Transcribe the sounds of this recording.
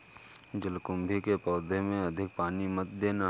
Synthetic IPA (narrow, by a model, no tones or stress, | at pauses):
d͡ʒɪlkʊmbʱikepɔːd̪ʱemẽɐd̪ʱɪk̚paːnimət̪d̪eːna